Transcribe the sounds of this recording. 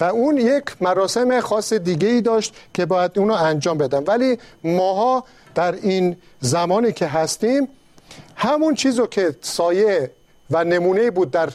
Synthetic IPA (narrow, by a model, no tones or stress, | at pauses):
væuːnje̞kʰmæɾɒːse̞me̞xɒːsːed̪iːɡe̞iːd̪ɒːʃt̪kʰe̞bɒːjæd̪uːnɔænd͡ʒɒːmbe̞d̪æmvæliːmɒːɦɒː | d̪̥æɾiːnzæmɒːniːkʰe̞ɦæst̪iːm | hæmunt͡ʃʰiːzɔkʰe̞sɒːje | væne̞muːne̞iːbuːd̪̚ːæɾ